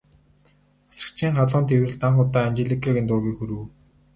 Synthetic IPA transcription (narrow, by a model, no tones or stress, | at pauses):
ḁsə̥̆kt͡ɕʰiːŋχaɮʊːnt̪ʰewɘ̆ɮt̪aɴχʊt̪aːant͡ɕeɮikʰaɣint̪ʊːɣiːxuɾɘ̆w